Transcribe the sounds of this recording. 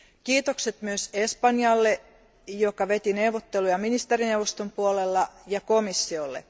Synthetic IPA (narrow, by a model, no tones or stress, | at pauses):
kiːt̪okset̪myøse̞spɑnjɑlːe | jokɑʋe̞t̪inewʋot̪ːelujɑminist̪erineuʋost̪ompuolelːɑjɑko̞misːiolːḛ